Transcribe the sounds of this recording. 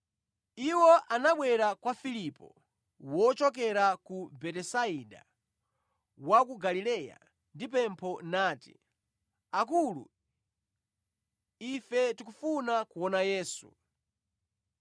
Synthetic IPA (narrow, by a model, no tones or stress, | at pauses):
iwɔʔanaɓwɛɾakwafilipɔ̰ | wɔt͡ʃɔk̬ɛɾakubɛtɛsaiɗa̰ | wakuɡalilɛja̰ | ndip̬ɛmpʰɔnaːtḭ | ak̬ulṵ | ifɛtikufunakuwɔnajɛːsṵ